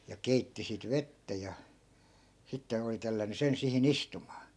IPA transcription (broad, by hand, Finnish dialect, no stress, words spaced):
jɑ keitːi sit ʋetːæ jɑ sitːen̞ oli telːænˑy sen sihin istumɑː